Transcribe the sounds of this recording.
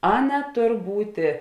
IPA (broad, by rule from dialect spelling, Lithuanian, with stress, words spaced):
ˈɑːˌnɐ ˈtoːr ˈbuːtʲeː